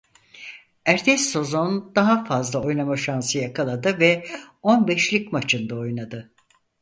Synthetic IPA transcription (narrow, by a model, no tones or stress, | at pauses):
æɾt̪ʰɛsːo̞zo̞nd̪̥aɦafazlˠao̞jnamaʃansɯjakʰalˠad̪ɯvɛ | o̞nbɛʃlʲicmat͡ʃʰɯnd̪aojnad̪ɯ